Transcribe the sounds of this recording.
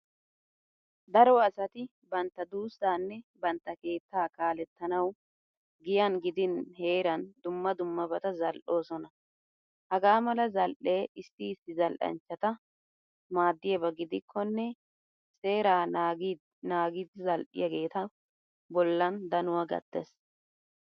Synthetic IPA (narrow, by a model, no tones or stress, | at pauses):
d̪ɐɾɔɐsɐt̪ɪ | bɐnt̪ːɐd̪uːsːaːnːɛbɐnt̪ːɐke̞ːt̪ːaːkaːlɛt̪ːɐnɐw | ɡɪjɐnɡɪd̪ɪnhe̞ːɾɐnd̪ʊmːɐd̪ʊmːɐbɐt̪ɐzɐlʔo̞ːsɔnɐ | hɐɡaːmɐlɐzɐlʔe̞ːɪsːɪːsɪzɐlʔɐ̰nt͡ʃːɐt̪ɐ | maːd̪ːɪjɛbɐɡɪd̪ɪkʰːɔnːɛ | se̞ːɾaː | naːɡɪd̪ɪzɐlʔɪ̰jɐɡe̞ːt̪ɐ | bɔlːɐnd̪ɐnʊwɐɡɐ̰t̪ːes